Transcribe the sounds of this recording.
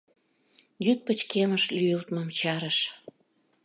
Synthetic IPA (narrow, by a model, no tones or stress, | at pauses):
jyt̪̚pət͡ɕkeməʃlyjəlt̪məmt͡ɕɑɾəʃ